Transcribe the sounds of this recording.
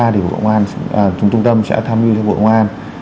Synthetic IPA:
aː˧t̪i˨˩ɓo̰˨˩ə̰˧wŋ͡mʔaː˧nː˨˩t͡ɕʊ˨˧˦ŋ͡mt͡ɕʊ˧ŋ͡mt̪ə˧msɛ̰˧˥t̪ʰaː˧mzi˧t̪ʰɛ˧ɓo̰˧˨ʔŋʔaː˧n

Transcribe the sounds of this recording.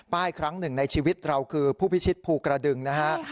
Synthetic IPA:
paː˥˩jkʰɾa˦˥ŋnɯ˨˩ŋna˧jt͡ɕʰiː˧wi˦˥t̪̚ɾa˧wkʰɯː˧pʰuː˥˩pʰi˦˥t͡ɕʰi˦˥t̪̚pʰuː˧kɾa˧dɯ˧ŋna˦˥kʰa˦˥ʔ

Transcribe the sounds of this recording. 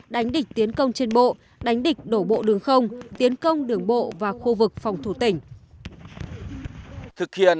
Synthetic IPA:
ɗa˨˦jŋ̟ɗï˨˩k̟̚t̪i˨˦ənkə˧wŋ͡mt͡ɕe˧nɓo̰˧˨ | ɗa˨˦jŋ̟ɗï˨˩k̟̚ɗo˧˩ɓo̰˧˨ɗɨ˨˩əŋxə˧wŋ͡mt̪i˨˦ənkə˧wŋ͡mɗɨ˨˩əŋɓo̰˧˨vaː˨˩xu˧vɨ˨˩k̚fa˨˩wŋ͡mt̪ʰu˧˩t̪ï˧˩ŋ̟ | t̪ʰɨ˨˩k̚hḭ˧˨ə

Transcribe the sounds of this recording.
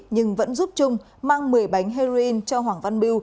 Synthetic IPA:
ɲɨ˧ŋvə̰˧˥nzu˦˥p̚t͡ɕʊ˧ŋ͡m | maː˧ŋmɨ˨˩əjɓa˨˦jŋ̟ɦɛ˧zi˧nt͡ɕɔ˧ɦwaː˨˩ŋva˧nɓi˧w

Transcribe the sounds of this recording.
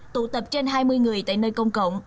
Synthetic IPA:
t̪ṵ˧˩t̪ə˨˩p̚t͡ɕe˧nɦaː˧jmɨ˧əjŋɨ˨˩əjt̪a̰ː˧˨jnəː˧jkə˧wŋ͡mkə̰˧˨wŋ͡m

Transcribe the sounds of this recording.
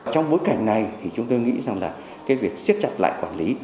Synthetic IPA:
t͡ɕɔ˧wŋ͡mɓo˨˦jka˧˩jŋ̟na˨˩jt̪ʰi˨˩t͡ɕʊ˨˦ŋ͡mt̪o˧jŋḭ˧˥za˨˩ŋlaː˨˩ | kkaː˨˦jvi˨˩ək̚si˦˥ət̚t͡ɕa˧˩t̚la̰ː˧˨jkwaː˧˩nli˨˦

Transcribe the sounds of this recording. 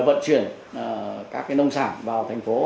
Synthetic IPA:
və̰˧˨nt͡ɕwḭ˧˩ən | kaː˦˥k̚ːnə˧wŋ͡msaː˧˩nvaː˨˩wt̪ʰa˨˩jŋ̟fo˨˦

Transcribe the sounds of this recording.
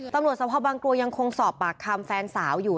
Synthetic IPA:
t̪a˧mɾu˨˩t̪̚sa˧pʰaː˧˩baː˧ŋklu˧əja˧ŋkʰo˧ŋsɔː˨˩pːaː˨˩kʰːa˧mfɛː˧nsaː˩˦wjuː˨˩

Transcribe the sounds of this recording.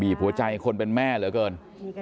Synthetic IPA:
biː˨˩p̚ʰhu˩˦ɐt͡ɕa˧jkʰo˧npe˧nmɛː˥˩lɯ˨˩˦kɤː˧n

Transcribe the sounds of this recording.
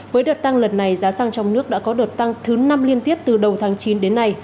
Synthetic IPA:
vəː˨˦jɗəː˨˩t̚t̪a˧ŋlə˨˩nːa˨˩jzaː˨˦saː˧ŋt͡ɕɔ˧wŋ͡mnɨ˦˥ək̚ɗa̰ː˧˥kɔ˨˦ɗəː˨˩t̚t̪a˧ŋt̪ʰɨ˨˦na˧mli˧ənt̪i˦˥əp̚t̪ɨ˨˩ɗə˨˩wt̪ʰaː˨˦ŋt͡ɕi˨˦nɗe˨˦nːa˧j

